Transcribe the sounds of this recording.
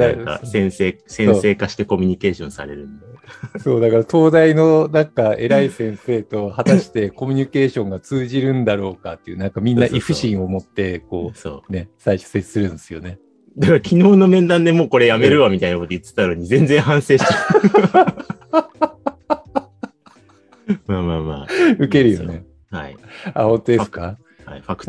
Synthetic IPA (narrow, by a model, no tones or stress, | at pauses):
aka̰sẽ̞ɰ̃se̞ːsẽ̞se̞ːkaɕi̥t̪e̞ko̞mʲiɲ̟ike̞ːɕõ̞ɰ̃sa̰ɾe̞̰ɾɯ̟̃nd̪aso̞ːd̪akaɾat̪o̞ːd̪aino̞nãŋkae̞̰ɾaisẽ̞ɰ̃se̞ːt̪o̞hat̪aɕi̥t̪e̞ko̞mʲiɲ̟ike̞ːɕõ̞ŋɡat͡sɨːʑiɾɯ̟̃nd̪aɾo̞ːkat̪ːe̞iɯ̟ːnãŋkamʲĩnːaʔiɸɯ̟ɕĩɰ̃o̞mo̞t̪ːe̞ko̞ːso̰ːne̞saiɕo̥set͡sɨ̥sɨɾɯ̟̃nd̪sɨjo̞ne̞ | d̪akaɾakʲinoːno̞mẽ̞nd̪ãnd̪emo̞ːko̞ɾe̞jame̞ɾɯ̟βamʲit̪ainako̞t̪ojit̪ːɨ̥t̪ːaɾoːɲ̟izẽ̞nd͡zẽɰ̃ɦãɰ̃se̞ːɕt̪e | maːmaːma̰ːɯ̟ke̞ɾɯ̟jo̞ne̞ | haia̰hõ̞nt̪o̞d̪esɨ̥ka | haɸakɯ̥